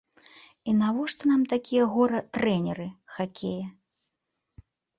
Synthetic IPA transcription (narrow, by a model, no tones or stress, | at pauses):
inavɔʂt̪ɐnamt̪akʲijɛɣɔɾɐt̪ɾɛnʲɛɾɨxakʲʰejɐ